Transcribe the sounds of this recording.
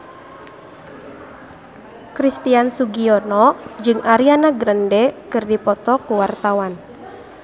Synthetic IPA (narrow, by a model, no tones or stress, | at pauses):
kɾist̪iansuɡiɔnɔd͡ʒɨŋʔaɾianaɡɾəndɛkɨrdipɔt̪ɔkuwart̪awan